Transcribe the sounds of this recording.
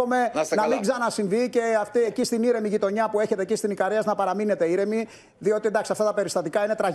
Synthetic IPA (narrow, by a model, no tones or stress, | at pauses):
ome̞snɐmiɡzɐnɐsiɱvice̞ɐft̪iecist̪iniɾe̞miʝit̪o̞ɲɐpue̞çe̞t̪ecist̪inikɐɾiɐznɐpɐɾɐmine̞t̪e̞iɾe̞mi | ðio̞t̪iend̪ɐksiɐft̪ɐt̪ɐpe̞ɾist̪ɐt̪ikɐine̞t̪ɾɐ